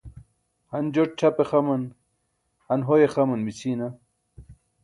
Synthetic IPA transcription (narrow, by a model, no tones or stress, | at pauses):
hɐnd͡ʑoʈ̚t͡ɕʰɐpexɐmɐn | hɐnɦojexɐmɐnmit͡sʰiːna